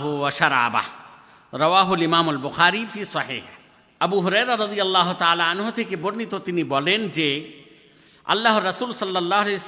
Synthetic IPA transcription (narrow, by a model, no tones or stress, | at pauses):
ɦʊʋɐʃɐɾa̰ːba̰h | ɾɐʋaːɦʊlɪmaːmɐlbʊxaːɾifiːsɐħḭːh | ɐbuɦʊɾɛːɾaɾɐd̪ijɐlːaːɦʊt̪aaːlaɐnɦot̪ʰekiboɾnit̪ot̪ɪnibɔːleːnd͡ʒe | ɐ̰lːaːɦʊɾːɐsuːlsɐlːɐlːaːɦʊle